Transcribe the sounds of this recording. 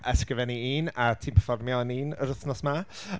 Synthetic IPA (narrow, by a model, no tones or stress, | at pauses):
ʔəskrəvɛniiːnatʰiːmpʰəfɔrmjɔniːnəɾəθnɔsma